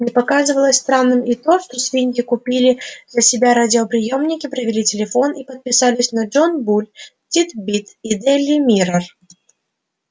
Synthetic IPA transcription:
mnʲɛpɐkazɨvəlˠəsʲst̪ɾanːɨmit̪o̞ʂt̪o̞svʲinʲɡʲɪkʊpʲilʲɪzəsʲɪbʲaɾadʲɪopɾʲɪjomnʲɪkʲɪpɾəvʲɪlʲitʲɪlʲɪfo̞nipət̪̚pʲɪsalʲɪsʲnɐʐonbulʲtʲit̪bʲit̪id̪ɛlʲːɪmʲiɾər

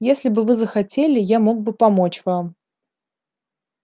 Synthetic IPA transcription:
jesʲlʲɪbɨvɨzəxɐtʲelʲɪjamo̞ɡ̚bɨpɐmo̞t͡ɕvam

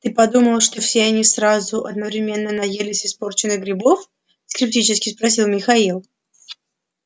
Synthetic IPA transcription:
t̪ɨpɐd̪uməlˠʂt̪o̞fsʲeɐnʲisɾazʊʔɐd̪nəvɾʲɪmʲe̞nːənɐjelʲɪsʲɪspo̞rt͡ɕɪnːɨɡɾʲɪbo̞f | skɾʲɪp̚tʲit͡ɕɪskʲɪspɾɐs̬ʲilˠmʲɪxɐilˠ

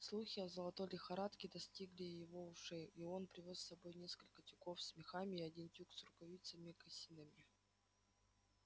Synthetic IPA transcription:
slˠuxʲɪɐzəlˠɐt̪olʲɪxɐɾat̪kʲɪd̪ɐsʲtʲiɡlʲɪjɪvo̞ʊʂɛjionpɾʲɪvʲosːɐbo̞jnʲe̞skəlʲkətʲʊko̞fsmʲɪxamʲɪːɐdʲintʲuksɾʊkɐvʲit̪səmʲɪkəsʲinɨmʲɪ

